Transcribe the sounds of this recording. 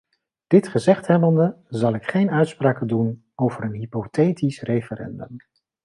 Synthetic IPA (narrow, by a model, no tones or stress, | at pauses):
d̥ɪtχəzɛχtɦɛbəndəzɑlˠɪkχejnœɥtspraːkədun | owvəɾənɦipotejtisrejfərɛ̰ndə̰m